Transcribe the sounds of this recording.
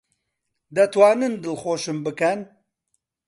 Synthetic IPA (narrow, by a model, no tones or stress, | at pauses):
d̪ɐt̪ʰwɑːnɨnd̪ɨlxoːʃɨmbɨkɛn